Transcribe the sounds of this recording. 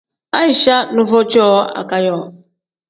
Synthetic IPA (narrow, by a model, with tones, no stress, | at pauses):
a˦ɪ˨ʃa˦nʊ˦vo˦t͡ʃɔː˦a̰˨ka˦jɔ˦˨